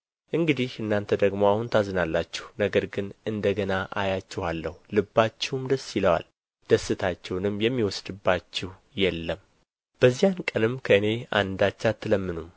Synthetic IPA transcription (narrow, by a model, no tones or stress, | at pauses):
ʔɨŋɡɨd̪ihɨnːant̪ʰəd̪əɡmoahunt̪ʰazɨnalːat͡ʃːɛ̥hnəɡəɾɡɨnʔɨnd̪əɡənaʔajat͡ʃːɛhalːəhulɨbːat͡ʃːɛwmd̪əsːiləwa̰l | d̪̥əsːɨt̪ʰat͡ʃːɛwnɨmjɛmːiwɔsd̪ɨbːat͡ʃːɛh | jɛlːəm | b̥əzːijankʼənɨmkʰəɨne̞a̰nd̪at͡ʃːat̪ʰːɨləmːɨnum